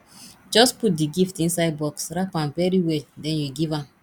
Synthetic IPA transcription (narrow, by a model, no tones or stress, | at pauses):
d͡ʒɔsput̚diɡiftĩnsaɪd̚bɔksɹapãmvɛɹiwɛdɛ̃njuɡivãm